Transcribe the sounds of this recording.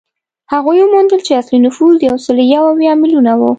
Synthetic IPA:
haɣujwəmond̪əlt͡ʃeaslinʊfuzjawsəljawawjɑmɪlunawu

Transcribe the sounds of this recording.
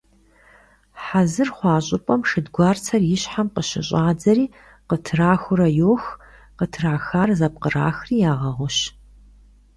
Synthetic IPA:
ħazɨrχʷɑːɕʼɪpʼɐmʂɨdɡʷɑːrt͡sʰɐrjɪɕħamqəɕɪɕʼaːd͡zɐɾiː | qətʰɨraːxʷʊɾɐjoːx | qətʰɨraːxaːrzɐp̚qəra̰ːxriːjaːʁɐʁʷʊɕ

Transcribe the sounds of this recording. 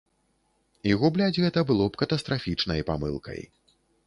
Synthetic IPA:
iɣublʲad͡zʲɣɛt̪ɐbɨlˠɔpkɐt̪ɐst̪ɾafʲit͡ʂnɐjpa̰mɨ̰lˠkʰɐ̰j

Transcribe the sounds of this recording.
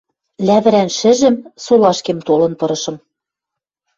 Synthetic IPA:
læβɘ̆ɾænʃɘ̆ʒɘ̆msolɑʃkemt̪olɤ̆npɤ̆ɾɤ̆ʃɤ̆m

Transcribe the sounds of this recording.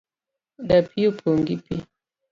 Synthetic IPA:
dapiupʰoŋɡipi

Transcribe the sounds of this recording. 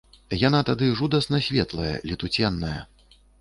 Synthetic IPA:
janat̪ad̪ɨʐud̪ɐsnɐsʲvʲɛt̪lˠɐjɐ̰lʲit̪ut͡sʲɛnːɐjɐ̰

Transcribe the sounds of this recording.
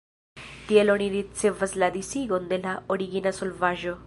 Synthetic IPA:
t̪ieloɳ̃iɾit̪̚t͡sevəslad̪isiɡond̪elaoɽiɡinasolvaʒɔ

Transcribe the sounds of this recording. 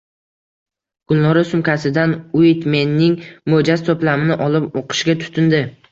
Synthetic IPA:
ɡ̥ʊlˠnɒɾasʊmkʰʲasɪd̪anʊjt̪me̞nːɪŋmod͡ʒast̪ʰoplamɪnɪʔɒlɪpoqʰɨ̥ʃɡʲat̪ʰʊ̥t̪ʰɪnd̪ɪ

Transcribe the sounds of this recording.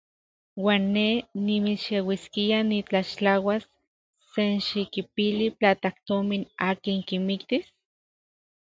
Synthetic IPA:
waːnːenimiʃewiskianit͡ɬaʃt͡ɬawasː | enʃikipiliplaːt̪ak̚t̪ominaːkiŋkimikt̪is

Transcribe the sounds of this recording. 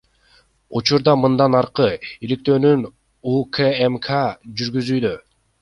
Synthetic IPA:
ut͡ʃuɾd̪ɑmɯnd̪ɑnɑɾqɯilik̚t̪ø̞ːnyn | ukʰeemkʰad͡ʒyɾɡyzyːd̪ø

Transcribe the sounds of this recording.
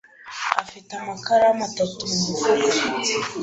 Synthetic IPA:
a̰fitamakaɾamatatumumufutti̥

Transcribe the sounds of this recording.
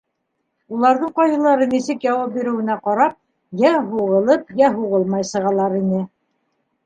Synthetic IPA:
ulˠɑɾðɤɴqɑjɤ̆lˠɑɾɤnisɘkjɑwɑp̚biɾɘ̆wɘ̆næqɑɾɑp̚ | jæɦuʁɤ̆lˠɤpjæɦuʁɤlˠmɑjsɤ̆ʁɑlˠɑɾinɘ

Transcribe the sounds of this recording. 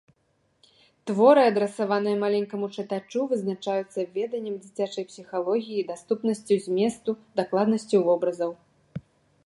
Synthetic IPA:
t̪vɔɾɨɐd̪ɾɛsavanɨjɐmalʲɛŋʲkɐmut͡ʂɨt̪at͡ʂuvɨznat͡ʂajut̪sːɐvʲɛd̪ɐnʲːɐmd͡zʲit͡sʲat͡ʂɐjpsʲixalˠɔɣʲijid̪ast̪upnɐsʲt͡sʲuzʲmʲɛst̪ud̪aklˠad̪nɐsʲt͡sʲivɔbɾɐzɐw

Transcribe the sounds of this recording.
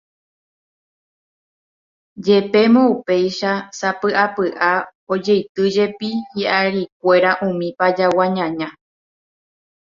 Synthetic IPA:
d͡ʒe̞pe̞mõupe̞jʃasapɨʔapɨʔao̞d͡ʒe̞jt̪ɨd͡ʒe̞pihiʔaɾik̚ʷe̞ɾaʔũmĩpad͡ʒawãɲãɲã

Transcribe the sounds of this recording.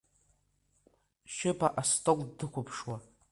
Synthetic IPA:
ʃɪpʰaʔastʼokʷʼdɨkʷʊpʰʂwa

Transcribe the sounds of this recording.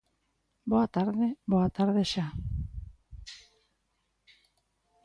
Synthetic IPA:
boat̪aɾðeboat̪aɾðeʃa

